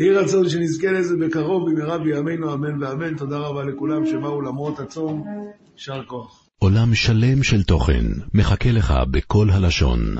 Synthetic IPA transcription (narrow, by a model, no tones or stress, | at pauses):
iʁat͡so̞nʃ̬enizkelezebekaʁo̞vimiʁabiamejnuamenveame̞nt̪o̞d̪aʁabalekulamʃebaulamʁo̞t̪at͡so̞m | ʃaʁko̞aχ | ʔo̞lamʃale̞mʃelt̪o̞χe̞̰nmeχakeleχa̰bekʰo̞lɦalaʃo̞̰n